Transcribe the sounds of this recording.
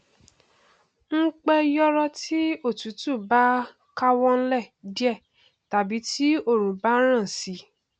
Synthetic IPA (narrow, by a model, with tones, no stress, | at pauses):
ŋ̩˦k͡pɛ˧jɔ˦ɾɔ˧ti˦o˦˨tu˨˦tu˦˨ba˦ | ka˦wɔ˦n̩˦lɛ˦˨di˦ɛ˦˨ | ta˨˦bi˨˦ti˦o˦˨ɾũ˨ba˨˦ɾ̃ã˦˨si˨˧˦